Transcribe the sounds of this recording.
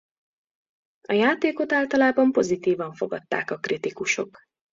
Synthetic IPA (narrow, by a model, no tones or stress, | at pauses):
ɒjaːt̪eːko̞t̪aːlt̪ɒlaːbɒmpo̞zit̪iːvɒɱfo̞ɡɒt̪ːa̰ːkɒkrit̪ikuʃo̞̰k